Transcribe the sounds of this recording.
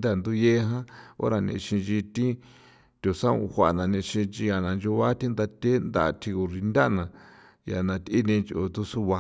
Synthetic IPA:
nd̪a˦˨nd̪u˦je˦ɦã˦o̰˦ɾa˧nḭ̃˧ʃĩ˧d͡ʒi˧t̪ĩ˦ | t̪ʲo˨sã˦ṵ̃˧hʷa˨nã˨nĩ˧ʃĩ˧t͡ʃi˧ja˨nã˨nd͡ʒu˧βa˦t̪ĩ˦nd̪a˧t̪ʲe˦nd̪a̰˧˨˧t̪ʰi˧ku˧˨ʐi˧nd̪ʲa˦˧nã˨ | ja˨nã˧t̪i˦nĩ˧t͡ʃo˧t̪u˦su˦βa˧˦

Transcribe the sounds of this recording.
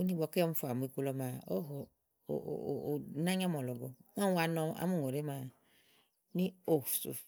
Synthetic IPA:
u˦ni˦bɔ˨ke˦ɔ˦m˦fu˨a˨mu˨i˨ko˦lɔ˦ma˨o˦ɦɔ̰˨ | na˦ɲ˦a˦mɔ˨lɔ˨ɡɔ˨ŋã˦a˨nɔ˧a̰˨˦mu˦˨ŋ˨o˨ɾe˦ma˨˦ | ni˦o˦˨fsṵ˨f

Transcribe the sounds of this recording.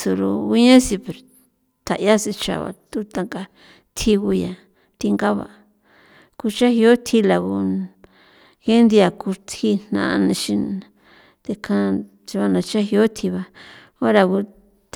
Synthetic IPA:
su˧ɾṵ˧i˦ɲã˦si˧pe˨ɾ | t̪ʰa˨ʔja˦si˧t͡ʃa̰˨βa̰˨t̪u˦t̪a˧ŋka˧ | t̪ʰi˧ɣu˧ja˨ | t̪i˧ŋɡa˦βa̰˨˧ | ku˧t͡ʃa˦hi˧o˦t̪ʰi˧la˨ɣu˧ | he˦nd̪i˧a˨ku˧t̪ʰi˧n̥nã̰˧ʔnã˧ʃĩ˧ | t̪e˧kʰã˧ | t͡ʃi˧βa˧nã˧t͡ʃa˦hi˧o˦t̪ʰi˧βa˧ | o˦ɾa˧ɣu˧

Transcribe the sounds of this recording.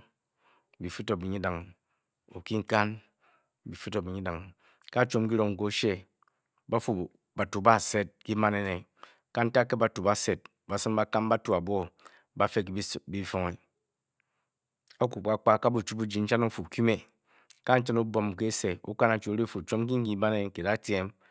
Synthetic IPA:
bi˨fu˦to˨bi˨ɲi˦da˨ŋ | o˨ki˦ŋ̩˦ka˦n | bi˨fu˦to˨bi˨ɲi˦da˨ŋ | ka˦˨t͡ʃo˦m˦k̬i˦ɾo˨ŋŋ̩˨ko˦ʃe˦ | ba˦fu˨ | ba˨tu˨ba˦˨se˦t̚ki˦ma˦ne˨ne˨ | ka˦n̩˦ta˦kːe˦ba˨tu˨ba˦˨se˨t̚ | ba˨sɨ˦mba˦ka˦m˦ba˦tu˦˨a˨bo˦ | ba˦fe˦kbi˦fo˦ŋe˨ | a˦ku˨ka˦k͡pa˦ka˦bu˨t͡ʃu˦pu˦d͡ʒi˨n̩˦t͡ʃa˦no˦fu˨ki˦me˨ | ka˦n̩˦t͡ʃa˦nu˦bo˨m˨ke˦se˨ṵ˦ka˦na˨t͡ʃu˨˦ɾe˦fu˨t͡ʃo˦m˦ki˦ŋ̩˦i˦ma˦ne˦˨ŋ˨ke˨da˦tje˦m

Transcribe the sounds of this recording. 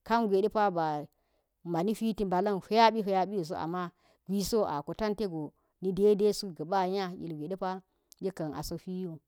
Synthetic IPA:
ka˦nɡʷe˨de˦pa˦ba˨ | ma˨ni˦ɸi˦ti˦mba˨la˦nɸe˦ja˦ɓi˦fe˦ja˦ɓi˦jo˨s̬o˦ʔa̰˨mːa˦ | ɡʷi˦so˦a̰˨ko˨ta˦nte˦ɡo˨ | ni˦de˦de˦su˦ɡə˨ba˦ja˦jḭ˨lɡʷe˨de˦pa˦ | je˦ka˨na̰˨so˦fi˦jo˦˨

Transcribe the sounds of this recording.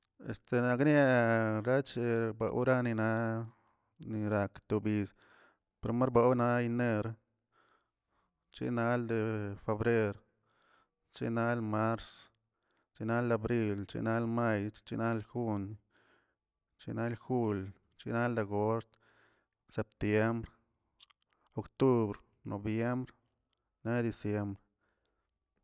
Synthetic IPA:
ḛ˧st̪e˧na˧knja˦˧ɾa˦t͡ʃi˧ɾba̰˧ʔwɾa˦ni˧na˧ | ni˧ɾa˧kt̪u˧bi˧s | pe˧ɾma˦ɾba˧wna˦i˧ne˧ɾ | t͡ʃḭ˧na˧ld̪e˧fe˧bɾe˦ɾ | t͡ʃḭ˧na˦lma˦ɾs | t͡ʃi˦na˦la˧bɾi˧lt͡ʃḭ˧na˦lma˦˧jt͡ʃḭ˦na˦lxu˦n | t͡ʃḭ˦na˦lxu˦l | t͡ʃḭ˦na˦ld̪e˧ɡo˦st̪ | se˨p̚t̪je˦mbɾ | o˧kt̪u˦bɾ | nʔo̰˨bje˦mbɾ | ne˦d̪i˧sje˦mbɾe

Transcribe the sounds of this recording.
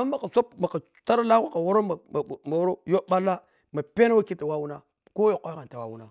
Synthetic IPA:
a˦a˨ka˨so˦pma˨ka˨ | ta˦ɾa˦la˦ka˦˨ka˨wo˦ɾo˦ma˨m˨ma˨wɾo˦jo˦ba˦lːa˦ | ma˨pe˦na˦wa˦ki˦ta˨wa˦wu˦na˦ | ko˦jo˨kʷa˦ɣa˨ta˨wa˦wu˦na˨

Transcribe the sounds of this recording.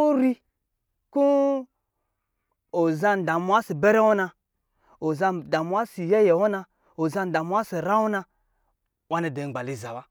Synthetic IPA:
o˦ɾi˦ | ku˦ | o˨za˦n˨da˨mu˦a˦si˨be˦ɾe˦wo˦na˧ | o˨za˧da˨mu˦a˦si˨je˦je˨wo˦na˧ | o˨za˧n˨da˨mu˦wa˦si˨ɾa˦wo˦na˧ | wa˦ne˨de˨ɡ͡ba˨li˨za˨wa˦

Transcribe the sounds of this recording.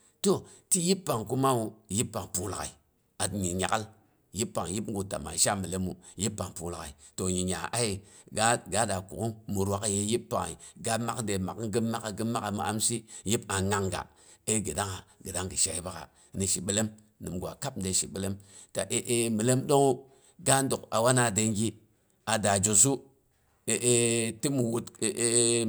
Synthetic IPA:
to˦ti˦ji˦pːa˨ŋku˦ma˦u˨ji˦pːa˨ŋpu˨la˨ka̰˨i˨ | a˨tɲi˨ɲa˨ka˦l | ji˦pːa˨ŋ˨ji˦pŋ˦ɡu˨ta̰˨ma̰˨ʃa˦mi˨le˦mu˨ji˦pːa˨ŋpu˨lka̰˨i˨to˨ɲi˨ɲa˨ʔa˦i˨ɡa˦ɡa˨˦da˨kṵ˨ku˦mu˨ɾwa˨kje˦ji˦pːa˨ŋ˨i˨ɡa˦ma˦kde˨ma˨˦ɡɨ˦ma˦ka˨ɡɨ˦mːa˦ka˨mṵ˨ʔa̰˦msi˦ji˦pa˨ŋa˦ŋɡa̰˨ | e˦ɡi˨da˦ŋa˨ɡə˨da˦ŋɡi˨ʃa˨i˦ba˦ka̰˨ | ni˨ʃi˨ɓi˦le˦m | nɨ˨mɡʷa̰˨ka˦p̩˦de˨ʃḭ˨ɓi˦le˦m | ta˨ʔe˦ʔe˦mi˨le˦mdo˦ŋo˦ | ɡa˦n˦du˨ka̰˨wa˦na˨de˦ŋɡi˦ | a˨da˨d͡ʒo˨su˦ | e˨ʔe˦ti˦mu˨wu˦te˨e˦

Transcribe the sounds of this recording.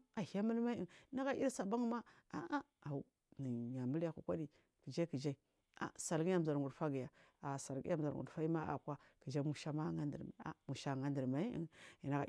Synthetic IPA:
a˨hi˨ja˦mə˦lma˦i˦i˦na˦ɣa˦ʔḭ˦ɾsa˨ba˦ŋ˦ma˦a̰˨a˦a˨u˦ | ni˨ɲa˨mə˦lja˦kṵ˨kʷa˦di˨ | kə˨d͡ʒa˦i˦kə˨d͡ʒa˦i˦ | a̰˨sa˨lɡi˦ja˦m˨za˨ɾɡu˨dfa˦ɡi˨ja˨a˨sa˨lɡḭ˦ja˦m˨za˨ɾɡṵ˨dfa˦i˦ma˦ʔa̰˨kwa˦kə˨d͡ʒa˦mu˦ʃa˦ma˦ŋa˦ndə˨ɾma̰˨a̰˨mu˨ʃa˨ŋa˦ndə˨ɾma˨i˦ḭ˦ŋi˨na˨ɡa̰˨

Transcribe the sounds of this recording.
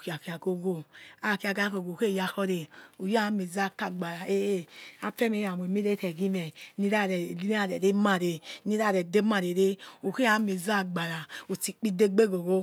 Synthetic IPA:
ki˨a˨ki˨a˨ɡo˦ɡo˦a˨ki˦a˨ɡa˦ko˨ɡo˨ke˦˨ja˧xɔ˦ɾe˨o˨ja˦mi˨za˦˨ka˨ɡ͡ba˨ɾa˨e˦e˦a˦fɛ˦me˨˦a˨m˨e˨mi˦ɾe˦tɛ˨ɡi˦mɛ˨ni˦ɾa˦˨ɾɛ˨li˦a˦˨ɾɛ˨ɾe˦ma˦˨ɾe˨ni˦ɾa˦˨ɾɛ˨de˦ma˨ɾe˨ɾe˦o˨ke˦a˨˦mi˨za˦˨ɡ͡ba˨ɾa˨o˨ti˨k͡pi˦de˦ɡ͡be˦ɡo˨ɡo˦

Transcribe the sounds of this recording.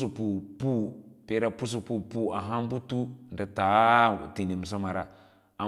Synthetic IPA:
su˨pu˨pu˦pe˦ɾa˨pu˦s̬u˨pu˦pu˦a˨ɦa˦m˦bu˦tu˦nda˨ta˨˦˨ti˨ni˨m˨s̬a˦ma˨ɾa˨ | a˨

